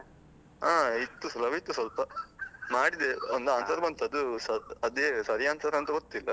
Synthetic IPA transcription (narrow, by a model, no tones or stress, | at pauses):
aːit̪ːusɐlɐbit̪ːusʋɐlpɐmaːɽid̪eond̪uaːnsɐɾɐbɐnt̪ɐd̪usɐɐd̪eːsɐɾjaːnsɐɾɐɐnt̪ɐɡot̪ːilːɐ